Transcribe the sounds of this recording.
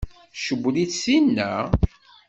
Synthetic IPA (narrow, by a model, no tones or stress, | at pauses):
ʃəbʷːliθsinːæ